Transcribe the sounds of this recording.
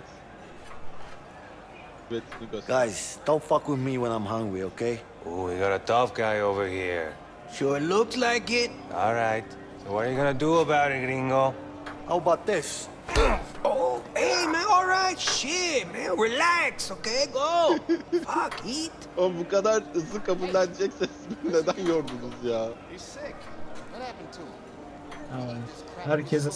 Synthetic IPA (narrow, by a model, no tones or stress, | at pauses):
ɡ̥aɪz̥tɔpfʌkwɪðmiwə̃ñãɪ̃mɦʌ̃ŋwioʊkʰeɪ | ʔowiɡɑɾətʰʌfɡ̥aɪoʊvə˞hiɹ | ʃʊɹlʊkslaɪkɪt̚ɔ̰lˠɹaɪt | soʊwʌɾə˞jɨɡʌnɨduəbaʊɾɨɡɹĩŋɡo | haʊəbaʊt̪̚ðɪs | oeɪmɛɔlˠɹaɪtʃɪmɛɹilæksokeɪɡoʊ | akit | obukad̪aɾɯzɯkʰapullˠːand͡ʒɛksɛsmine̞d̪ænjoɾd̪unuzjaːjisɪkwʌthæpə̃ntʰu | aa | hæɾcʰɛs̬